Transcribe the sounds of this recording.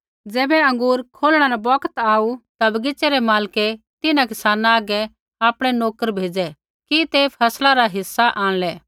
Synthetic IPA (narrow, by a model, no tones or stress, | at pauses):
d͡zɛːbɛɐ̃ŋɡuːɾkʰoːlɽ̃anãbɔkət̪aːut̪ɐbɐɡɪt͡ʃːɛɾɛmaːlke | t̪ɪnãkɪsaːnãaːɡɛ | aːpɽ̃ɛnoːkəɾbʱeːd͡zɛ | kit̪epʰɐslaɾaɦɪsːaʔãːɽ̃lɛː